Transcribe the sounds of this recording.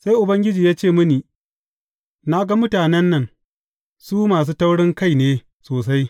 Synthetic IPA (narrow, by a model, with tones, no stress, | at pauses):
sa˦jʔʊ˨bɐ˦ŋɡʲɪ˦d͡ʒiː˨jaː˦t͡ʃeː˦˨mʊ˦niː˨ | na˦ɡa˦mʊ˦taː˨nɛ˦nːɐ˨ŋ | suː˦maː˨s̬uː˦ta˦wɽɪ˦ŋka˦˨jneː˦ | soː˨sa˦j